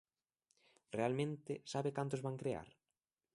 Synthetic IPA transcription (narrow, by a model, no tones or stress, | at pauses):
realmẽnt̪ɪsaβɪkant̪ʊzβaŋkɾea̰ɾ